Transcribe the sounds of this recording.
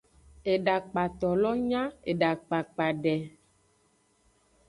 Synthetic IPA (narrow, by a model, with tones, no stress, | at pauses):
e˨ɖa˨k͡pa˨t̪ɔ˨lɔ˦ɲã˦e˨ɖa˨k͡pa˨k͡pa˨ɖɛ˨